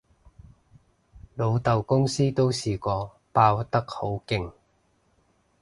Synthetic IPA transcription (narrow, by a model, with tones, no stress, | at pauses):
lo˨˧wt̪ɐ˨wkʊ˥ŋsiː˥t̪o˥wsiː˨˩kɔː˧ | paː˧wt̪ɐ˥k̚ho˨˥wkɪ˧ŋ